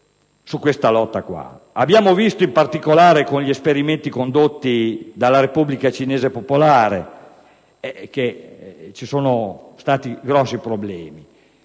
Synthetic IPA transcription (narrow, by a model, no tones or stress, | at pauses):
sukːwest̪alɔt̪ːakwa̰ | abjaːmovist̪oimpart̪ikolaːɾekonʎiespeɾiment̪ikond̪ot̪ːid̪alːaɾepublikat͡ʃineːzepopolaːɾe | ɛk̟et͡ʃisoːnost̪aːt̪iɡɾɔsːipɾoblɛ̰ːmi